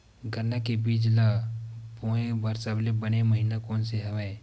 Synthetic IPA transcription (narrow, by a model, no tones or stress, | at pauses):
ɡʱənːakebiːd͡ʒlapoːẽbaɾsaːblebəneməɦinakoːnseɦɐʋe